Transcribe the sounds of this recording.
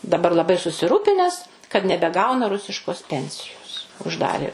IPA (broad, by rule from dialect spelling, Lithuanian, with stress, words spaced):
dɐˈbɐr lˠɐˈbɐɪ sʊsʲɪˈruːpʲɪnʲɛs kɐt nʲɛbʲɛˈɡɐʊnɐ ˈrʊsʲɪʃkoːs ˈpʲɛnʲsʲɪjoːs ʊʒˈdɑːrʲeː